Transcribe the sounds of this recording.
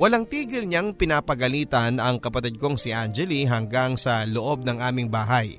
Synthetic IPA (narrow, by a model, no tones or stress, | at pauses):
wɐlaŋt̪iːɡɪlɲaŋpɪnaːpɐɡɐliːt̪ɐnɐŋkɐpɐt̪id̪̚ko̞ŋsiʔand͡ʒɛliɦɐŋɡaŋsɐloʔo̞b̚nɐŋʔaːmɪŋbaːɦɐj